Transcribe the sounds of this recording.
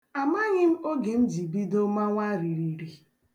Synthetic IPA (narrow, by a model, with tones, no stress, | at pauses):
a˨ma˦ɲɪ˦m̩˦o˦ɡe˨n̩˦d͡ʒi˨bi˦do˦ma˦ŋʷa˦ɾi˨ɾi˨ɾi˨